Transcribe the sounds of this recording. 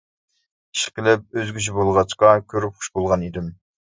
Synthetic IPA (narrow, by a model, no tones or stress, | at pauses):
i̥ʃqʲɪlɪp̚øzɡʲyt͡ʃʰibolˠʁɑt͡ʃqɑkʲʰøɾyp̚χʊ̥ʃbolˠʁɑnid̪ɪm